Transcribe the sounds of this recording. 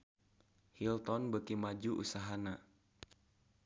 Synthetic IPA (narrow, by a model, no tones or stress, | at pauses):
hilt̪ɔnbəkimad͡ʒuʔusaɦana